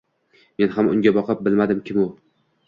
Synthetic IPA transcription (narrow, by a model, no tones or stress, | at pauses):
me̞nhamʊ̰ŋʲabɒqʰɨp̚bɪlmad̪ɪmkʲʰɪmʊ